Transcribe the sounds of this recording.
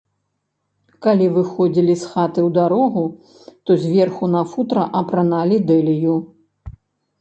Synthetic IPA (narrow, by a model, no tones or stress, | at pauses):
kalʲivɨxɔd͡zʲilʲisxat̪ɨwd̪aɾɔɣu | t̪ɔzʲvʲɛrxunɐfut̪ɾɐʔɐpɾanalʲid̪ɛlʲiju